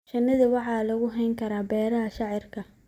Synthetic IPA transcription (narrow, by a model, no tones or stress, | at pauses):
ʃɐnːɐðɪwɑħɑːlɐɣʊɦɛjŋkʰɐɾaːbɛːɾɐɦɐʃɑʕɪrkʰɐ